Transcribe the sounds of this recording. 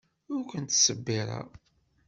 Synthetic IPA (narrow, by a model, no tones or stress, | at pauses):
ʊɾkʷənt̪səbːiɾˤa̰